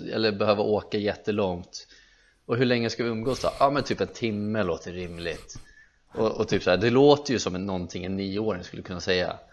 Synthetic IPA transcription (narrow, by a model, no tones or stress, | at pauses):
ɛ̰lːəɾbɛhøːvaʔoːkajɛt̪ːəlɔŋt̪ | ɔɦɵɭɛŋːəskavɪɵmːɡoːsd̪ɔ̰ʔɑmɛnt̪ʰyːpɛnt̪ʰɪmːəloːt̪ʰəɾɪmlɪt̪ | ʔɔɔt̪ʰyːpsaæːɖɛloːt̪əɾjɵsɔmːɔnt̪ʰɪŋɛnːiːəoːɾɪŋskɵlːəkʰɵnːasɛjːa̰